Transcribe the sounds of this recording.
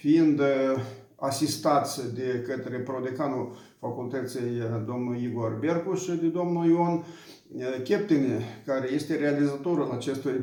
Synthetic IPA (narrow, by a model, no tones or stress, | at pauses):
fiind̪ | asist̪at̪sʲd̪e̞kət̪ɾe̞pɾod̪ekanu | fakult̪ət̪sijd̪o̞mnuiɡorberkuʃɨd̪ed̪omnuion | kʲep̚t̪enekaɾeje̞st̪e̞ɾealizat̪o̞ɾulat͡ʃe̞st̪uj